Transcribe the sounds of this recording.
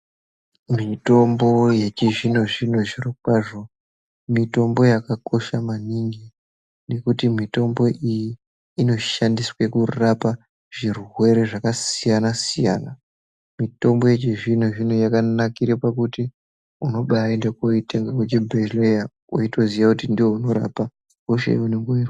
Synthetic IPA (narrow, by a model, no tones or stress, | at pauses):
mito̞mbo̞je̞t͡ʃeʐinoʐin̤oʐirokwaʐo̞ | mito̞mbo̞jakako̞ʃamaniŋɡi | ne̞kutimito̞mbo̞ʔijiː | no̞ʃandiswe̞kurapa | ʐ̥irwe̞ɾe̞ʐakasijanasija̰ːna | mito̞mbo̞je̞t͡ʃeʐin̤uʐin̤ujakanakiɾepak̬uti | uno̞ɓaendekoiteŋɡakwet͡ʃibʱeleja | oito̞zijakutindiwo̞uno̞ɾa̰pa | koʃḛḭuneŋɡoira